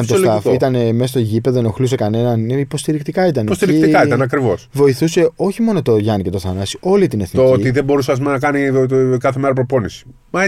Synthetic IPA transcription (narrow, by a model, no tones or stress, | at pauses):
ɐt̪ooslɐfit̪ɐnemesɐst̪oʝipeðoenoxluse̞kɐne̞nɐnipo̞st̪iɾikt̪ikɐit̪ɐnost̪iɾiikt̪ikɐit̪ɐnɐkɾivo̞svo̞iθuse̞o̞çimo̞no̞t̪o̞ʝɐnice̞t̪o̞θɐnɐsi̥o̞lit̪ine̞θniooit̪iðe̞bo̞ɾus̬eɐs̬umnɐkɐnikɐθe̞meɾɐpɾo̞po̞nisi̥ | mɐ